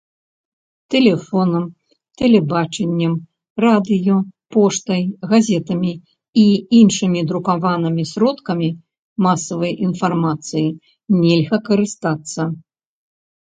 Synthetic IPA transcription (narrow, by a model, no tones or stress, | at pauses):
t̪ɛlʲɛfɔnɐm | t̪ɛlʲɛbat͡ʂɛnʲːɐm | rad̪ɨjɔpɔʂt̪ɐjɣazʲɛt̪ɐmʲi | iinʂɨmʲid̪ɾukavanɨmʲisʲɾɔt̪kɐmʲi | masɐvɐjʔinfarmat̪sɨji | nʲɛlʲɣɐkɐɾɨst̪at̪sːɐ